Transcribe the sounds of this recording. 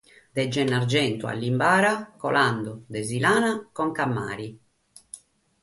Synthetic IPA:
d̪ɛd͡ʒːɛnːaɾd͡ʒɛnt̪ua̰lːimbaːɾakɔ̰land̪ɔd̪ɛzilaːnakɔŋkamːa̰ːɾi

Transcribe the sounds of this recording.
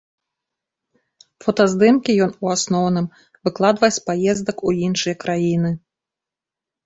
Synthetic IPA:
fɔt̪ɐzd̪ɨmkʲijɔnuasnɔwnɨm | vɨklˠad̪vɐjɛsʲpajɛzd̪ɐkuinʂɨjɐkɾajinɨ

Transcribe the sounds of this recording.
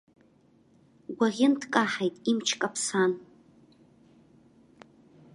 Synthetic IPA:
ɡʷaʁʲɪntʰkʼaħajtʼimt͡ʃʰkʼapʰsan

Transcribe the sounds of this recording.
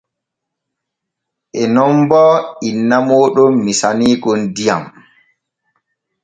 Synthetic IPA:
ʔɛnɔmbɔinːamɔːɗɔːisaniːɡɔndija̰m

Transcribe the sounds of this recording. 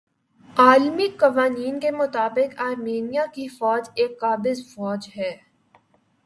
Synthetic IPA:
aːlmikɐʋaːniːnkemʊt̪aːbɪkaːɾmeːnijakifɔːd͡ʒeːkːaːbɪzfɔːd͡ʒɦɛː

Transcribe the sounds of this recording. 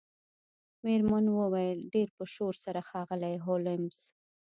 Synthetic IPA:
meɾmanwəwajəlɖeɾpəʃoɾsaɾaxɑɣəlajɦolɪmz̥

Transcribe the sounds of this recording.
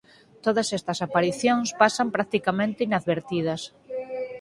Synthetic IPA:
t̪oðɐsɛst̪ɐsapaɾiθjõŋspasɐmpɾak̚t̪ikamẽnt̪ɪinaðβeɾt̪ið̞ɐs

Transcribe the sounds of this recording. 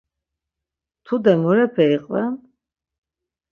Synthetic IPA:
t̪ʰud̪ɛmɔɾɛpʰɛiqʼvɛ

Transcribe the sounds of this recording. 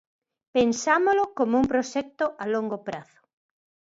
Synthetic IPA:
pensamolʊkomʊuŋpɾoʃɛk̚t̪ʊʔaloŋɡopɾaθʊ̥

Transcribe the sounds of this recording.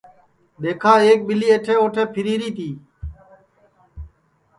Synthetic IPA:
ɗ̪eːkʰaːeːk̚ɓɪliːeːʈʰeːoːʈʰeːpʰɪɾiːɾiːt̪iː

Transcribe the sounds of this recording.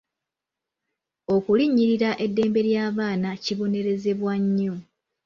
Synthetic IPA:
o̞kuliɲːiɾiɾaʔe̞dːe̞ːmbe̞ɾjaːβaːnaciβo̞ne̞ɾe̞ze̞βwaɲːo

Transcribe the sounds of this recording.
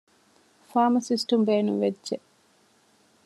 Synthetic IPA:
faːmɐsisʈumbeːnṵʋedʒe

